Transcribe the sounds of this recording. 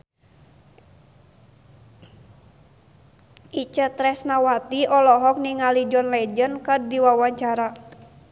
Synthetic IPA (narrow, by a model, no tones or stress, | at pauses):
ʔit͡ʃət̪ɾɛsnawat̪iɔlɔɦɔk̚niŋalid͡ʒɔnlɛd͡ʒənkərdiwawaɲt͡ʃaɾa